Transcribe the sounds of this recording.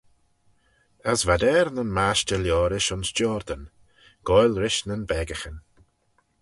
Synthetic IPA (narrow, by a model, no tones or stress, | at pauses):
əsvad̪ɛːɾnənmaʃtəljɔːɾɪʃʊnsd͡ʒɔːɾd̪ən | ɡ̥ɔjlɾɪʃnənbɛːɡəxən